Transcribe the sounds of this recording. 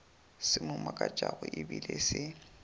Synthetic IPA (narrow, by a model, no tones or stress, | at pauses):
sɪmʊmakʼat͡ʃʼaɣʊʔɪbilesɪ